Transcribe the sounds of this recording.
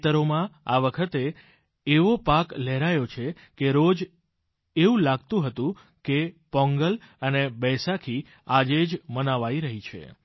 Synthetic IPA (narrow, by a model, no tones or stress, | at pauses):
t̪əɾomãaʋəkʰət̪eː | ʋopaklɛɾajot͡ʃʰe | keɾod͡ʒ | eũlaɡt̪ũɦət̪ũ | kepɔ̃ŋɡəl | ənebəsakʰi | ad͡ʒed͡ʒmənaʋaiɾəɦit͡ʃʰḛ